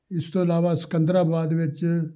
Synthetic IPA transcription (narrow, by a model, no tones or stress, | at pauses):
ɪst̪õːɐlaːʋaːsə̥kə̃nd̪ɾaːbaːd̪ʋɪt͡ʃ